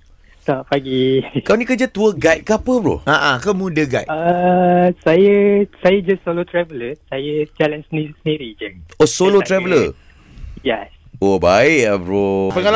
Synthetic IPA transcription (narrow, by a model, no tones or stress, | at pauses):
tɔʔpaɡikaonĩkəd͡ʒat̪uəɡajt̪̚kəapəbɾo̰ʔaʔãkəmũdəɡa̰jʔə | sajəsajəd͡ʒasːolot̪ɾɛvələsajəd͡ʒalãnsnisniɾid͡ʒəosolot̪ɾɛvələ | jɛsobaɪʔabɾopəŋal